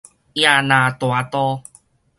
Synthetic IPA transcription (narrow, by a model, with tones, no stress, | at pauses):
ja˧nã˨˩t̪wa˨˦t̪ɔ˦